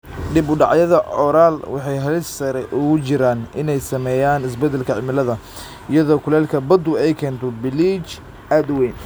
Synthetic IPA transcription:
ɖɪbʊɖɑʕjɐðɐʕɔɾaːlwɑħɑjɦɐlɪssɐɾɛ̰ʔʊɣʊt͡ʃɪɾaːnʔɪnɛjsɐmɛːjaːnɪsbɛd̪ɛlkʰɐʕɪmɪlɐðɐ | ɪjɐðɔːkʰʊlɛːlkʰɐbɐd̪ʊɛjkʰɛːnt̪ʰɔbɪliːt͡ʃ | ʔaːd̪ʊwɛjn

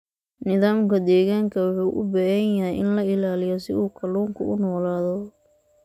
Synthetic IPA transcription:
nɪðaːmkʰɐd̪ɛːɣaːŋkʰɐwʊħuːʔʊbɛɣɐjjɐɦɛjʔɪ̰nlɐɪlaːlɪjɔsɪ̰ʔuːkʰɐluːŋkʰʊ̰ʔʊnɔːlaːðɔ

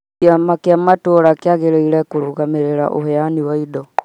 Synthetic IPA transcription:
amakjamatuoɾakjaɣeɾeiɾɛkuɾuɣameɾeɾa̰ʔo̰heaniwaido

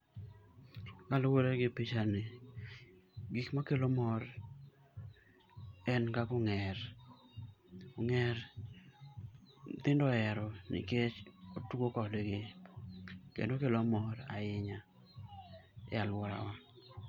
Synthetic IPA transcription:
kalowoɾeɡɪpit͡ʃane | ɡikmakelomɔɾ | ɛnkakʊŋɛɾ | kʊŋɛɾ | t̪ɪndɔɛɾɔnɪ̰ket͡ʃotuokɔleɡɪ | kḛndokelomɔɾa̰ɪɲa | alwɔɾa̰wa

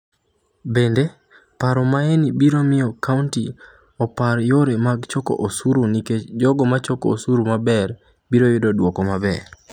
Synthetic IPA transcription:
bende | paɾɔmaenibiɾomɪɔkaunti | ɔpaɾjoɾemaɡt͡ʃoko̰ʔosuɾoniked͡ʒɔɡɔmat͡ʃɔkoosuɾumabɛr | biɾojʊdɔdwɔkɔmabɛ

